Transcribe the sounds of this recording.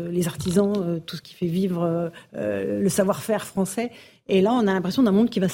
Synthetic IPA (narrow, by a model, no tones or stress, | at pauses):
lezaʁt̪izɑ̃øt̪usə̥kʲʰi̥fɛvivʁø̰ | ləsavwaʁfɛʁfχɑ̃sɛ | elaɔ̃nalɛ̃pχesjɔ̃d̪ɛ̃mɔ̃d̪kʲiva